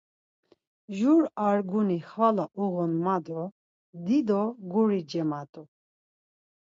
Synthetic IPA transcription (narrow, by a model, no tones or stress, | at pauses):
ʒuɾaɾɡuniχvalaʔuɣɔnmad̪ɔ | d̪id̪ɔɡuɾid͡ʒɛmat̪ʼu